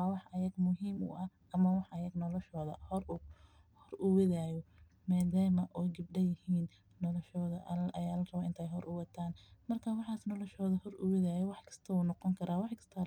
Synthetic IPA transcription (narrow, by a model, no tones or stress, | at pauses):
aːwɑħɐjɐɡmʊɦiːmʊ̰ʔɐʔɐmɐwɑħɐjɐɡnɔlɔʃɔːðɐ̰hr | hɔrʊwɛðaːjɔ | maːðaːmɐʔɔɡɪb̚ɖɐjɪhiːnː | ɔlɔʃɔːðɐʔɐjaːlɐrɐβaʔɪnt̪ʰɛːjɦɔɾʊwɑt̪ʰaːnmɐrkʰawɑħɑːsnɔlɔʃɔːðɐhɔrʊwɪðaːjɔwɑħkʰɐ̥st̪ʰɐuːnɔqɔŋkʰɐɾʔaːwɑħkʰɐ̥st̪ʰɐ